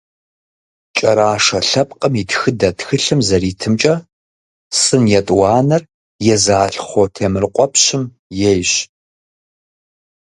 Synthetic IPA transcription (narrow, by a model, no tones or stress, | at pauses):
t͡ʃʼɐɾaːʂɐɬɐp̚ʼqʼəmitxɨdɐtxɨɬɨmzɐɾiːtʰɨmt͡ʃʼɐ | sɨnjɛtʼwɑːnɐr | jɛzaːɬχʷotʰeːmɨrqʷʼɔpʰɕɪm | jɛjɕ